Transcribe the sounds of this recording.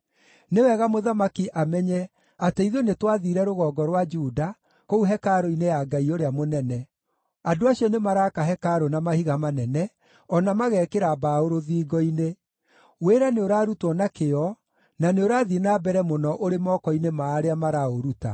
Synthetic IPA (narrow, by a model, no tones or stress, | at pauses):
newɛɣamoðamakiʔamɛɲɛ | ateiðonetwaðiɾɛɾoɣɔːɡɔɾwad͡ʒuda | kouɦɛkaɾoinejaɡaioɾeamonɛnɛ | adoaɕiɔnemaɾaːkaɦɛkaɾonamahiɣamanɛnɛ | ɔnamaɣɛːkeɾabaoɾoðiːɡɔine | weɾaneoɾaːɾutwɔnakeɔ | naneoɾaːðinabɛɾɛmonɔʔoɾemɔːkɔinemaːɾeamaɾaoɾuta̰